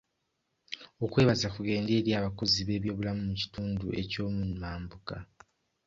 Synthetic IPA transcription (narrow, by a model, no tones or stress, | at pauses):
o̞kwe̞ːβazakuɡe̞ːnde̞ːɾjaːβako̞ziβe̞ːβjo̞ːβulamumuci̥tuːndue̞co̞ːmumaːmbuka